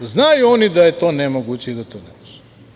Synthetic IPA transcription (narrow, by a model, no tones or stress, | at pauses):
znajuonid̪ajet̪o̞ːnemoɡut͡ɕeid̪at̪onemuʒɛ̥